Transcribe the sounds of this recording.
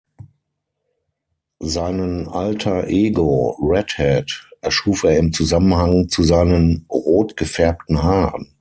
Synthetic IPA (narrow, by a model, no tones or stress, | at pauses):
zaɪnənʔaltʰɐʔeːɡoʁɛthɛtʔɛɐʃuːfeːɐɪmt͡suzamənhaŋt͡suzaɪnənʁoːtɡ̥əfɛɐp̚tn̩ɦaːʁən